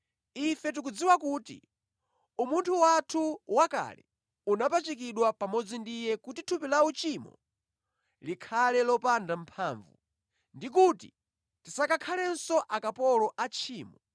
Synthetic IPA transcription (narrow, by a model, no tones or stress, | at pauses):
ifɛt̬uk̬ud͡ziwakuːtḭ | umuntʰuwatʰuwaka̰lɛ̰ | unapat͡ʃikiɗwapamɔd͡zindijɛkutitʰupilawut͡ʃimɔ̰ | likʰalɛlɔpandampʰaːɱvṵ | ndik̬uti | tisakakʰalɛnsɔʔakapɔlɔʔat͡ʃʰiːmɔ